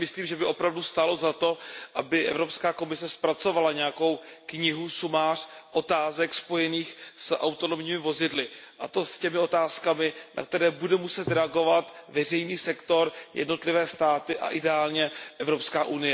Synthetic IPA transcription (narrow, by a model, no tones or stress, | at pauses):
mɪsliːmʒɛbɪʔo̞pɾavdust̪alo̞zat̪o̞ʔabɪʔɛ̰vɾo̞pskaːko̞mɪsɛspɾat͡so̞valaɲɛjako̞wkɲɪɦusumaːr̝̥ʔo̞t̪aːzɛkspo̞jɛniːxsʔa̰wt̪o̞no̞mɲiːmɪvo̞zɪdlɪʔa̰t̪o̞scɛmɪo̞t̪aːskamɪna̰k̚t̪ɛɾɛːbudɛmusɛt̪ɾɛaɡo̞vat̪vɛr̝ɛjniːsɛkt̪o̞ɾjʔɛ̰dno̞t̪lɪvɛːst̪aːt̪ɪʔa̰ʔɪdɛaːlɲɛʔɛvɾo̞pskaːʔunɪjɛ